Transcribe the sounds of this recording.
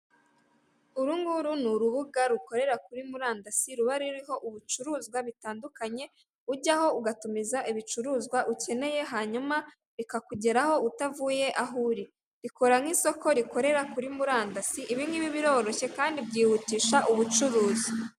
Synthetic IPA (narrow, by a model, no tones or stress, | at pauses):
uɾuŋɡuɾunuɾuβuɡaɾuko̞ɾe̞ɾakuɾimuɾaːndasiɾuβaɾiɾiɦo̞ʔuβut͡ʃuɾuːzɡwaβitaːndukaɲe̞ | uɾɟaho̞uɡatumizaʔiβit͡ʃuɾuːzɡwaʔuce̞ne̞je̞ɦaːɲuma | ɾikakuɟe̞ɾaho̞utavuje̞ʔaɦuɾi | ɾiko̞ɾaŋ̥iːso̞ko̞ɾiko̞ɾe̞ɾakuɾimuɾaːndasiʔiβiŋɡiβiβiɾo̞ːɾo̞çe̞kaːndibɟiːhutiːʃaʔuβut͡ʃuɾuːzi